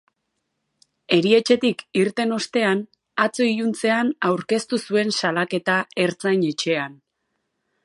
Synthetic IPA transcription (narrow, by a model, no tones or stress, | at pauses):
e̞ɾie̞t͡ʃe̞t̪ikiɾt̪e̞no̞st̪e̞an | at͡so̞ijunt͡se̞anawɾke̞st̪usue̞nsalake̞t̪ae̞ɾt͡sajɲet͡ʃe̞an